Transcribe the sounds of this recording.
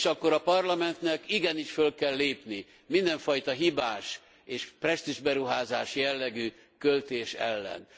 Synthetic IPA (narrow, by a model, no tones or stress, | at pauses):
ʃɒkːoɾɒpɒrlɒmɛnt̪nɛkiɡɛniʃfølkɛlːeːpni | mind̪ɛɱfɒjt̪ɒɦibaːʃ | eːʃprɛst̪iʒbɛɾuɦaːzaːʃjɛlːɛɡy | kølt̪eːʃɛ̰lːɛ̰n